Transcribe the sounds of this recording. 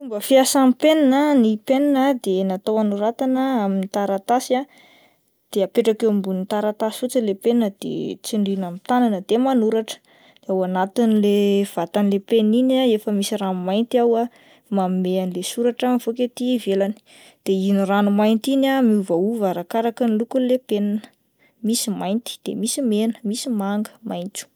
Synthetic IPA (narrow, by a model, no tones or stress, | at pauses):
umbəfiasamipenanənipeninəd̪enat̪owanuɾat̪anəaminit̪aɾat̪asa | d̪̥eapeʈ͡ʂakewmbunit̪aɾat̪asi̥fut͡səlepenəd̪̥ḛt͡siɳɖ͡ʐinamit̪ananəd̪emanuɾaʈ͡ʂə̥ | d̪̥eawanat̪inilev̥at̪anilepeninaefəmisiranumajnt̪iawa | mamimeanilesuɾaʈ͡ʂamvoket̪ivelani̥ | d̪̥einiranumajnt̪inamiuvauvaɾakaɾakənilukulepenanə̥ | misimajnt̪i̥d̪̥ḛmisimenə̥misimaŋɡə̥majnt͡su̥